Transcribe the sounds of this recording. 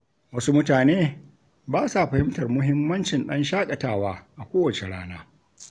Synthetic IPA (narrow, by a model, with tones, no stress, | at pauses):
wɐ˦su˦mʊ˦taː˨neː˦ | baː˦sa˨ɸɐ˨hɪ˦mtɐ˨rmʊ˦ɦɪ˦mːɐ˦nt͡ʃɪ˨nɗɐ˦nʃaː˦kʼɐ˨taː˦˨waː˦ʔa˨kʷoː˦wɐ˨t͡ʃe˨ɽa̰ː˦naː˦